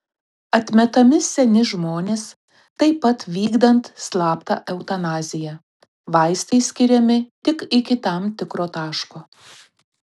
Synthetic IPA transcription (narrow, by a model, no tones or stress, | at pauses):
ɐt̪ʲmʲɛt̪ɐmʲɪsʲɛnʲɪʒmoːnʲeːs | t̪ɐɪpːɐt̪ʋʲiːɡd̪ɐnt̪slˠɑːpt̪ɐ̰ʔɛʊt̪ɐnɑːzʲɪjɛ | ʋɐɪst̪ɐɪsʲkʲɪɾʲɛmʲɪt̪ʲɪkɪkʲɪt̪ɐˑmt̪ʲɪkɾoːt̪ɑːʃkoː